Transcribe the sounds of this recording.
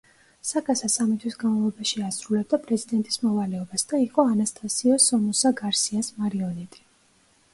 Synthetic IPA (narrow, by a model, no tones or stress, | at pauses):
sakʼasasamit̪ʰwisɡanmalˠɔbaʃiasɾulɛb̚d̪apʼɾɛzid̪ɛnt̪ʼi̥smɔvalɛɔbasd̪̥aiqʼɔanast̪ʼasiɔsɔmɔsaɡaɾsiasmaɾiɔnɛt̪ʼi̥